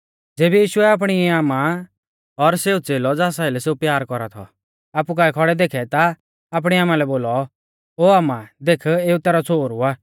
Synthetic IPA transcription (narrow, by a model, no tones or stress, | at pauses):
d͡zeːbijiːʃʊɛaːp̬ɽ̃iɛaːmã | ɔɾseːut͡seːlɔd͡zaːsailɛseːupjaːɾkɔɾat̪ʰɔ̰ | aːp̬ukaːɛkʰɔɽɛd̪eːkʰɛt̪aː | p̬ɽ̃iaːmãlɛboːlɔ | oːaːmãd̪eːkʰeːut̪ɛːɾɔt͡sʰoːɾuaː